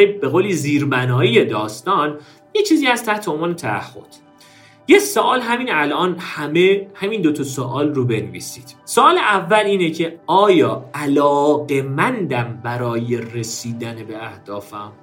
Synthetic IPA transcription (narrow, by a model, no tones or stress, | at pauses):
be̞ɣoːliziːɾbænɒːije̞d̪ɒːst̪ɒːn | jet͡ʃʰiːziːhæst̪ʰæht̪ʰeonvɒːne̞t̪ʰææ̰hːo̞̰d̪̥ | jesoʔɒːlɦæmiːnælʔɒːnhæmehæmind̪ot̪ʰɒsoʔɒːlrobe̞nvḭːsi̥ːd̪̥soʔːleʔævːæliːnecʰe̞ɒːjɒːælɒːɣe̞mænd̪æmbæɾɒːje̞resiːd̪ænebe̞æhd̪̥ɒːfæm